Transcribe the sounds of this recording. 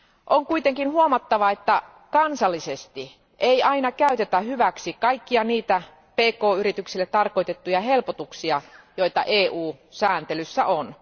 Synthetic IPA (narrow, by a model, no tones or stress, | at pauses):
ʔoŋkuit̪eŋkinhuomɑt̪ːɑʋɑet̪ːæ | kɑnsɑlːisest̪i | ʔeiɑinɑkæyt̪et̪æhyʋæksikɑikːiɑniːt̪æ | peːkoːyrit̪yksilːet̪t̪ɑrkoit̪et̪ːujɑhelpot̪uksiɑjoit̪ɑ̰ʔeːʔuːsæːnt̪elysːæ̰ʔon